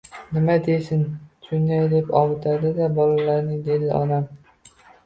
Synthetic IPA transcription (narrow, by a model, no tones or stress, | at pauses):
nɪmad̪esɪnt͡ʃʰʊnd̪ajd̪epɒwɪt̪ʰad̪ɪd̪abɒlalaɾnɪŋd̪ed̪ɪʔɒ̰d̪am